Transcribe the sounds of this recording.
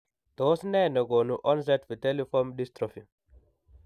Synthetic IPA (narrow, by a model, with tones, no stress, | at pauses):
d̪̥o˨˦snɛ˦˨nɐ˨ɡo˨nu˦ʔɔ˦ns̬ɛ˦tfi˨te˦li˦fɔ˦mdi˦stɾɔ˨fi˨